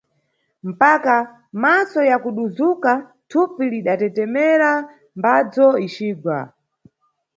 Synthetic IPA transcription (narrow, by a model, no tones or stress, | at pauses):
m̩paka | masɔjakuɗuzuka | tʰupiliɗatɛtɛmɛɾa | mbad͡zɔit͡ʃiːɡwa̰